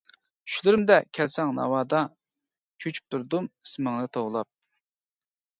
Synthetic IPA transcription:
t͡ʃʰy̥ʃlɪɾɪmd̪ɛkʲʰɛlsɛŋnɑ̰wɑːd̪ɑ | t͡ʃʰøt͡ʃʰy̥p̚t̪ʰuɾd̪umi̥smɨŋnɨt̪ʰoʁlˠɑp̚

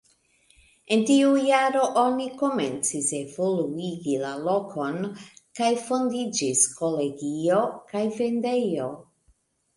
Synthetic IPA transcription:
e̞ntiujaɾo̞ʔo̞niko̞ment͡sise̞voluiɡilalo̞kʰo̞nkajfo̞ndid͡ʒisko̞le̞ɡio̞kajve̞nde̞jo̞

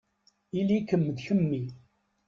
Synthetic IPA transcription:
ilikəmːəd̪çəmːi

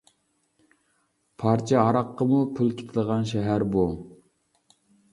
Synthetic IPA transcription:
pʰɑɾt͡ʃʰɛɑɾɑqːəmupʰulˠkʲʰe̥t̪ʰɪlˠəʁɑnʃɛɦæɾbu

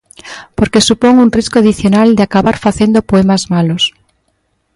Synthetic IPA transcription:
poɾkesupoŋunriskoaðiθjonald̪eakaβaɾfaθend̪opoɛmazmalos

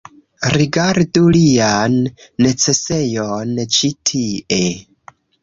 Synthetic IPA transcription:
ɾiɡaɾdulianːe̞t͡se̞se̞jont͡ʃitʰie̞

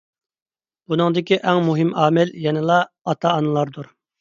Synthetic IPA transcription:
b̥unɨŋd̪ɪkʲiʔæŋmuɦɪmɑːmɪljɛnɪlˠɑː | t̪ʰɑːnɨlˠɑɾd̪uɾ

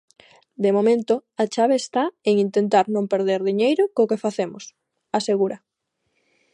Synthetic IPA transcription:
d̪emomẽnt̪ʊat͡ʃaβeːst̪aeŋint̪ent̪aɾnõmpeɾð̞eɾðiɲejɾʊkokefaθemʊs | aseɣuɾɐ

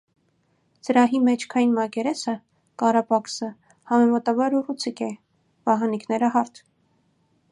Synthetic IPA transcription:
t͡səɾɑɦimɛt͡ʃʰkʰɑjinmɑkɛɾɛsə | kɑɾɑpɑksə | hɑmɛmɑt̪ɑbɑɾurut͡sʰikɛ | v̥ɑɦɑniknɛɾəɦɑɾt̪ʰ

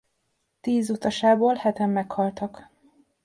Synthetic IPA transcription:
t̪iːzut̪ɒʃaːboːlhɛt̪ɛmːɛkhɒlt̪ɒk

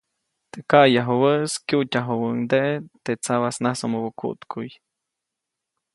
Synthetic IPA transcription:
t̪ekajaɦuwəskjutʲaɦowəŋd̪eʔet̪et͡saβasnasomobokṵt̪kʰuj

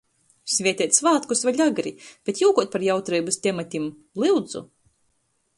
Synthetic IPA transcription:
sʲvʲiɛt̪ʲiɛt̪ʲsvaːt̪kusvaʎʲaɡɾib̥ʲet̪juːkuɔt̪̚paɾjawt̪ɾijbɨst̪ʲɛmat̪ʲim | lˠɨwd̪zṵ

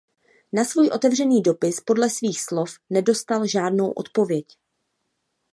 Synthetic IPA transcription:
nasvuːjʔo̞t̪ɛvr̝ɛniːdo̞pɪspo̞dlɛsviːxslo̞fnɛdo̞st̪alʒaːdno̞wʔo̞̰t̪po̞vjɛc

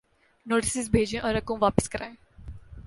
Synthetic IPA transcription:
noːʈɪsɪsbʱeːd͡ʒẽʔɔːɾɐkõʋaːpɪ̥skɐɾaːẽ

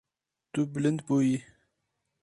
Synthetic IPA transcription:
t̪ublənd̪̚poji

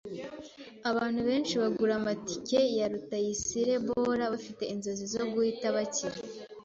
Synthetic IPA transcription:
aβaːn̥huβe̞ːnʃiβaɡuɾamati̥ce̞jaɾutajisiɾe̞βo̞ɾaβafite̞inzo̞zizo̞ɡuhitaβaciɾa

